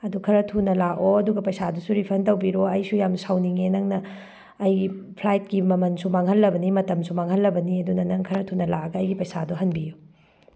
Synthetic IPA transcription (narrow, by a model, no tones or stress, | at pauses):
ɐdukʰɐɾɐtʰunɐlaʔoɐduɡɐpɐjsadusuɾipʰɐntɐwbiɾoɐjsujamsawniŋenɐŋnɐː | jɡipʰlajt̚kimɐmɐnsumaŋɦɐlːɐbɐnimɐtɐmsumaŋɦɐlːɐbɐniɐdunɐnɐŋkʰɐɾɐtʰunɐla̰ɐɡɐːjɡipɐjsa̰duɦɐnbiju